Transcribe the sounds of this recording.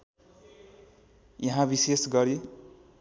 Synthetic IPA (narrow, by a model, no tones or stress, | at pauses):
jʌɦãbisesɡʌɾi